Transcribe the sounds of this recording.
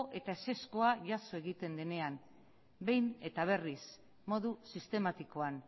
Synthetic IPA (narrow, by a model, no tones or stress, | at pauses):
ʔe̞t̪ae̞se̞sko̞aʝaso̞e̞ɣit̪e̞nd̪e̞ne̞an | be̞jne̞t̪aβ̞e̞ris | mo̞ðusist̪e̞mat̪iko̞an